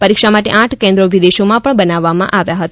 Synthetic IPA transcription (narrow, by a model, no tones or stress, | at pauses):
pəɾikʃamaʈḛʔãʈʰkɛ̃nd̪ɾoʋid̪eʃomãpəɳbənaʋːamã̰ʔaʋjaɦət̪a